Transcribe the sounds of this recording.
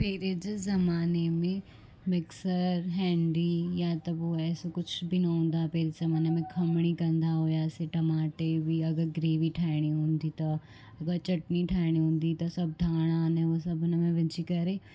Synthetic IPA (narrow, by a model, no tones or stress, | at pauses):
peːɾed͡ʒzɐmaːnemẽ | mɪksəɾɦɛ̃ːɳɖijat̪oʋoɛːsokʊt͡ʃʰbʱinɐɦõːnd̪apeːɾezɐmaːnemẽkʰɐmɽ̃ikɐ̃nd̪aɦoːjaseʈɐmaːʈebʱiɐɡəɾɡɾeːʋiʈʰaːɽ̃iɦõːnd̪it̪o | ɐɡəɾt͡ʃɐʈniʈʰaːɽ̃ĩɦõːnd̪it̪osɐb̚d̪ʱaːɽ̃aːnɛ̃ʋosɐbnɐmẽʋɪ̃t͡ʃikɐɾeː